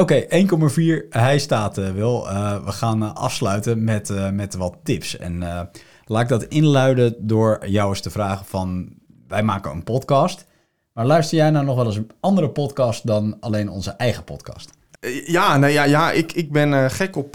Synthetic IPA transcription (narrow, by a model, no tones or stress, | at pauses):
owkejʔejnkɔmaviːɹɦɛjstaːtəʋɪlˠəʋəχaːnʔɑ̰fslœɥtəmɛtmɛtʋɑtːɪpsɛ̰n | laːtɪɡ̚dɑtɪnlœɥdədʊːɹjawəstəvraːχəvɑn | ʋɛjmaːkəə̰npɔtkɑst | maːɹlœɥstəɹjɛjnawnɔχʋɛlˠɪsəɑndəɾəpɔtkɑstdɑnalejnɔ̰nzəʔɛjχəpɔ̰tkɑ̰st | jaːnejajaʔɪkɪɡ̚bɛnχɛkɔp